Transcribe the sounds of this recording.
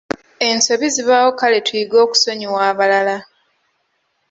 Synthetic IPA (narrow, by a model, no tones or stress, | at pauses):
e̞nso̞βiziβaːwokale̞twiɡo̞ːku̥so̞ɲiwaːβalala